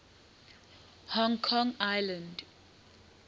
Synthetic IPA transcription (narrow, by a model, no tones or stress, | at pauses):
hɔ̃ŋkʰɔ̃ŋajlãnd